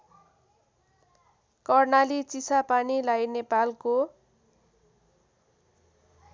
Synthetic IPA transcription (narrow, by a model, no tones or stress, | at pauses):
kʌrnalit͡sisapanilajnepalko